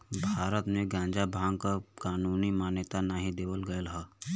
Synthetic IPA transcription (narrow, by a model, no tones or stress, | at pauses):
bʱaːɾət̪mẽɡjãːnd͡ʒabʱãːŋkakaːnuːnimaːnət̪anaːɦĩd̪eːwəlɡəəlɦa